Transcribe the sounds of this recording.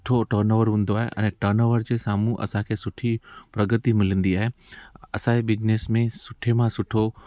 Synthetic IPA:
ʈʰoʈɐɾnoːʋəɾɦũːn̆d̪oaːɦeʔɛ̰̃ːʈɐɾnoːʋəɾd͡ʑeːsaːmũʔɐ̰sãkʰeːsʊʈʰipɾɐɡət̪imɪlə̃nd̪iaːɦe | ɐsãebɪd͡ʑnesmẽsʊʈʰemãsʊʈʰo

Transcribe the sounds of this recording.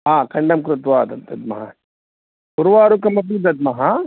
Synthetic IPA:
ɦaːkʰɐɳɖɐmkɾut̪ʋaːd̪ɐd̪ɐd̪̚mɐɦa | buɾʋaːɾukɐmɐpiːd̪ɐd̪̚mɐɦa

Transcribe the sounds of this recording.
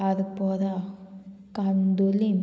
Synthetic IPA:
ɐðɯpːoːða | kɐnd̪ulin

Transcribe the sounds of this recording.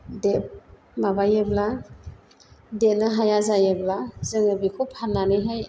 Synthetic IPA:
dep̚ | mabajɯbla | det̚naɦajazajablazɯŋɯbikʰupʰanːanɯjɦaj

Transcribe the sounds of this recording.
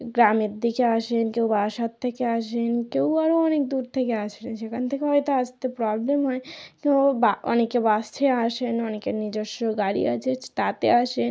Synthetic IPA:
ɡɾameɾd̪ikeaʃenkewbaʃat̪ʰːekeaʃenkewaɾoɔnek̚d̪uɾt̪ʰekeaʃenʃekʰant̪ʰekeɦɔet̪aast̪epɾɔblemɦɔekebaɔ̰nekebast͡ʃʰeaʃenɔnekenid͡ʑoʃːɔɡaɽḭa̰t͡ʃʰet̪at̪eaʃen

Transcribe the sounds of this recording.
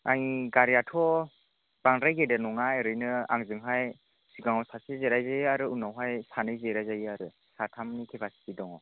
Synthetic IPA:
a̰ŋiɡaɾjatʰɔ | b̥aŋɾajɡedanɔŋajɾɯjnɯa̰ŋzɯŋɦaj | siɡaŋɔsasizeɾajzajaɾɯunawɦajsanɯjzeɾajzajiaɾɯ | satʰamnikʰipʰasi̥tidɔŋɔ

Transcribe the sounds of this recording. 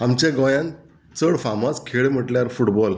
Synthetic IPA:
amt͡ɕẽɡɔjãn | t͡səɽfamɔskʰeɭm̤əʈljaɾfuʈbɔl

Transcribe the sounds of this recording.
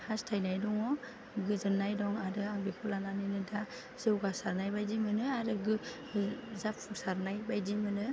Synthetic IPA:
hastʰajnajdɔŋɔ | ɡɯzɯnajdɔŋaɾɯaŋbikʰulananinɯda | z̥ɯwɡasaɾnajbajdimɯnɯaɾɯɡɯ | zapʰːuŋsaɾnajbajdimɯnɯ

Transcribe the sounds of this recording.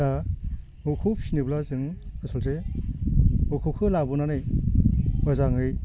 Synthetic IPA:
a | ukʰup̚siniblazɯŋasɔlte | ukʰɯkʰɯlabɯnanɯj | bazaŋɯj

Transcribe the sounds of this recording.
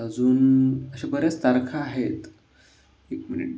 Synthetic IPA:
əd͡zuːnəɕabəɾjat͡st̪aɾkʰaːɦet̪ | ekminḭʈ̚

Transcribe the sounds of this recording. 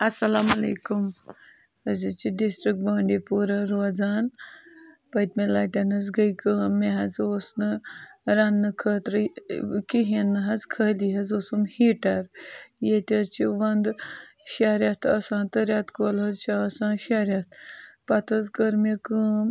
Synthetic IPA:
ɐsɐlaːmɐlḛːkum | əzit͡ʃiɖisʈɾik̚ʈ̚baːɳɖipuːɾɐɾod͡zaːn | pɐjt̪melaːʈʲanɐz̬ɡɐjkəːmːeɦɐzoːsnɨɾanːɨkʰət̪ɾɨkiɦinːɨɦɐzkʰəːliɦɐzoːsumhiʈɐɾjet̪ʲɐt͡ʃiʋɐnd̪ʃaɾʲjat̪ʰɐsãːnt̪əɾʲjat̪kolɐzt͡ʃaɐsãːʃaɾjat̪̚ʰpɐt̪ʰɐzkəɾmekəːm

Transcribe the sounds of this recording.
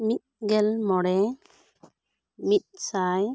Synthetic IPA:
mit̪̚ɡɛlmɔɽɛ | mit̪̚ˀsaj

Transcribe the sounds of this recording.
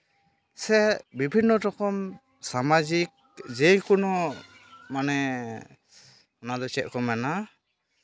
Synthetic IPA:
sɛbibʱinːɔtɔkɔm | samad͡ʒik̚d͡ʒejkunɔ | manɛ | ɔnad̪ɔt͡ʃɛʔ̪̚kɔmɛna

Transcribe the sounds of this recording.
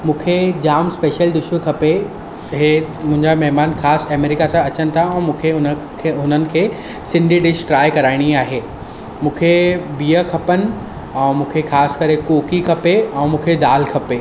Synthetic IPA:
mũːkʰed͡ʑaːmspeːʃəld̪ʊʃʋkʰɐpe | ɦemʊ̃ɦɪ̃ɲd͡ʑamɐɦmaːnxaːsɛmeːɾɪkasãɐt͡ɕənɪ̆t̪ʰaɛ̃ːmũːkʰeʊnʰ | ɦʊnənɪ̆kʰeː | sɪ̃ɳɖʱiɖɪʃʈɾaːjkɐɾaːɪɽ̃iaːɦeː | mũːkʰebiːəkʰɐpənɪ̆ | ɛ̃ːmũːkʰexaːskɐɾekoːkikʰɐpeɛ̃ːmũːkʰed̪aːlkʰɐpeː

